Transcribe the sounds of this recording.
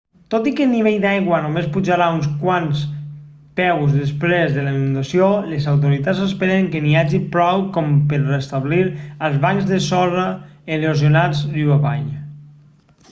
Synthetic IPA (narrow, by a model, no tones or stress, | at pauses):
t̪ot̪ikəniβ̞eʎd̪ajɣwənomespud͡ʒaɾaunskwans | pɛwzðespɾezðələnũnd̪asiolezawt̪̬oɾit̪azəspeɾeŋkeniaʒipɾɔwkɔmpəɾrest̪aβliɾəlˠzβaŋzðəsɔraelezjonad͡zriaβaʎ